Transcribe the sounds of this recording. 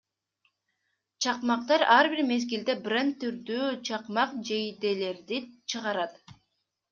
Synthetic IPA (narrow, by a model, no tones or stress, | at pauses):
t͡ʃʰɑqmɑq̚t̪ɑɾɑɾbiɾme̞zɡild̪e̞brent̪ːyɾd̪yːt͡ʃʰɑqmɑqd͡ʒejd̪e̞le̞ɾd̪it͡ʃʰɯʁɑɾɑt̪